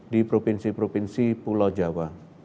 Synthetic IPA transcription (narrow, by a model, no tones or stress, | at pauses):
dipɾopinsipɾopinsipulɔd͡ʒawa